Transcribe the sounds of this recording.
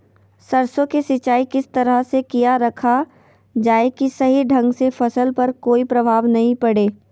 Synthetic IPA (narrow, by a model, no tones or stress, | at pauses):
sɐɾsõkesɪt͡ʃaːikɪst̪ɐɾəɦsekijaɾɐkʰa | d͡ʒaːekisɐɦiɖʱɐ̃ŋɡsefʰɐsəlpɐɾkoːipɾɐbʱaːʋnɐɦĩpɐɽeː